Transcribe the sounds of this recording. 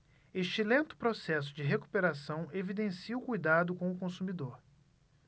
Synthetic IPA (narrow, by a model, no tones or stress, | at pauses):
eʃt͡ʃɪlẽnt̪ʊ̥pɾosɛs̬ʊd͡ʒɪɦeku̥peɾasɐ̃w̃evid̪ẽsiʊkujd̪ad̪ʊkõw̃ʊkõsumid̪oɾ